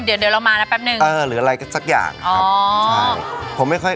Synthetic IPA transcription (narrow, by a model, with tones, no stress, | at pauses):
dɯ˨˩˦əndɯ˧˦˧la˧wmaː˧na˦˥pɛː˦˥p̚nɯ˨˩ŋʔɤː˧ɾɯː˩˦ʔa˧a˧jka˥˩sa˦˥k̚ja̰ː˨˩ŋʔɔː˧˨˩t͡ɕʰa˥jpʰo˨˩˦mːa˥˩jkʰɔ˥˩j